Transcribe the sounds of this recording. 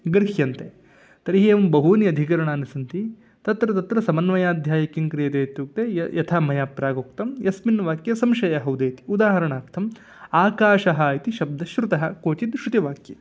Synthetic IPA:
ɡɾɦjɐnt̪e | t̪ɐɾiɦeːʋɐmbɐɦuːniɐd̪ʱik̬ɐɾɐɳaːnisɐnt̪i | t̪ɐt̪ɾɐt̪ɐt̪ɾɐsɐmɐnʋɐjaːd̪ʱjaːjɐkiŋkɾijɐt̪eːt̪juːk̚t̪ejɐt̪ʰaːmɐjaːpɾaːɡoːkt̪ɐmjɐsminʋaːkjɐsɐmʃɐjɐɦɐwd̪eːt̪i̥ud̪aːɦɐɾɐɳaːɾt̪ʰɐm | aːkaːʃɐɦɐːit̪iʃɐb̚d̪ɐʃɾut̪ɐɦɐkoːt͡ʃid̪ʃɾut̪iʋaːkjɐ

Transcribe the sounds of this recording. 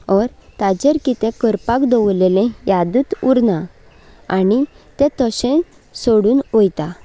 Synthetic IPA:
ɔɾt̪ad͡ʑeɾkit̪ẽkəɾpakd̪ɔwlelẽjad̪ut̪uɾna | ani | t̪ẽt̪ɔɕẽ | soɽuːnojt̪a

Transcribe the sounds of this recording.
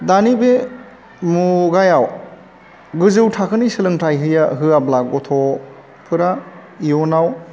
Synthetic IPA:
danibe | muɡajaw | ɡɯzɯwtʰakʰɯnisɯlɯŋtajɦɯjaɦɯablaɡɔtʰɔ | pʰɯɾa | iɔnaw

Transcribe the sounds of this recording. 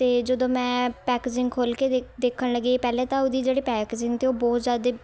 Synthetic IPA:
t̪eːd͡ʒəd̪õːmɛ̃ːpɛːkeːd͡ʒɪ̃ŋɡkʰoːlkeːd̪eːkʰəɽləɡeːpɛːlẽːt̪ãːod̪iːd͡ʒeːɽiːpɛːkeːd͡ʒɪ̃ŋɡt̪eːoːbɔːt̪zjaːd̪eː

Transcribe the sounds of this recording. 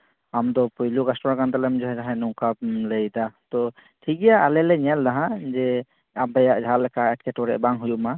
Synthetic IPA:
amd̪ɔpujlukɛsʈɔɾakant̪alɛmid͡ʒɔɦɛd͡ʒaɦɛnɔŋkab̚ləjd̪at̪ɔ | ʈʰikɛjaʔalɛlɛɲɛld̪aɦãd͡ʒɛ | abɛjaʔd͡ʒʱalɛkʰaɛʈ̚kʰɛʈɔɾɛ̰ʔbaŋɦujuʔma

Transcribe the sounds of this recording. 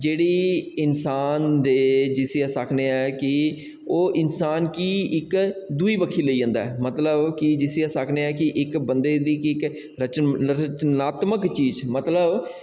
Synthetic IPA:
d͡ʒeːɽiːɪnsaːnd̪eːd͡ʒɪsɪjaːsəkʰneːɛːkɪ | oːʔɪnsaːnkiːɪkd̪uiːbəkʰiːləiːd͡ʒə̃ːnd̪a̰ːɛːmət̪ləbkɪd͡ʒɪsɪjaːsəkʰneːɛːkɪʔɪkbənd̪eːd̪ikɪk | ɾət͡ʃt͡ʃnaːt̪məkt͡ʃiːd͡ʒmət̪ləb

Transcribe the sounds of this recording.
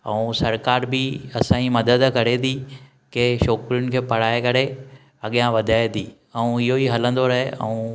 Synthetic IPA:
ɛũsɐɾkaːɾbɪɐsãːimɐd̪əd̪kɐɾed̪ʰiː | keʃɔːkɾijʊnɪ̆kʰeːpɐɽ̤aːekɐɾe | ɐɠijãʋɐd̪ʱaːet̪iː | ɛ̃ũɪɦoiɦɐlə̃nd̪oɾɐɦḛɛ̰̃ũ

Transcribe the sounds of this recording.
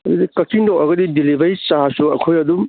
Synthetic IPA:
ɐdudikɐkiŋdɔkɐɡɐdidilibɐjt͡ʃasuɐkʰojɐd̪um

